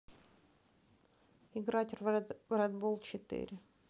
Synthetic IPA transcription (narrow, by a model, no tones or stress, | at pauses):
ɪɡɾatʲrvrɛd̪bolˠt͡ɕɪt̪ɪ̰ɾʲɪ